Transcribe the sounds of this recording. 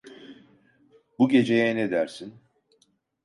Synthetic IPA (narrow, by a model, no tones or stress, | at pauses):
buɟe̞d͡ʒe̞jɛned̪æɾsin